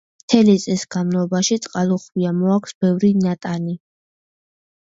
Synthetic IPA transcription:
mt̪ʰɛlit̪sʼisɡ̥anmnɔbaʃit̪sʼqʼalˠɔχwiamɔakʷʰsbɛvɾinat̪ʼani

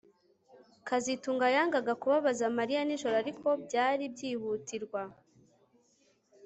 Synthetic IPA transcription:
kazituːŋɡajaːŋɡaɡakuβaβazamaɾijaniʒo̞ɾoaɾikʰo̞bɟaːɾibɟiːhutiɾɡwa

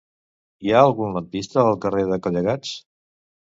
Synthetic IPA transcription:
iaəlˠɣunlət̪̚bist̪əːlˠkəreðəkoʎəɣat͡s

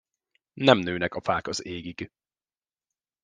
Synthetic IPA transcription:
nɛmnøːnɛkɒfaːkɒzeːɡiɡ

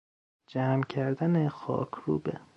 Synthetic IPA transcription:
d͡ʒæːmcʰæɾd̪ænexɒ̰ːkʰɾṵːbe

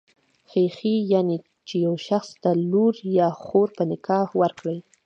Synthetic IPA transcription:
xexijɑne | t͡ʃejawʃaxst̪aluɾjɑxoɾpənɪkɑhwaɾkɽəj

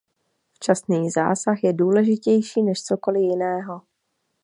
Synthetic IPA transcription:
ft͡ʃasniːza̰ːsaxjɛduːlɛʒɪcɛjʃiːnɛʃt͡so̞ko̞lɪjɪnɛːɦo̞

